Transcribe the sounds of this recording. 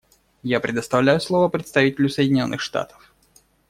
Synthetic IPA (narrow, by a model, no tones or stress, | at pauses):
japɾʲɪd̪əst̪ɐvlʲæjʊslˠovəpɾʲɪt̪st̪ɐvitʲɪlʲʊsəjɪdʲɪnʲo̞nːɨxʂt̪a̰t̪ə̥f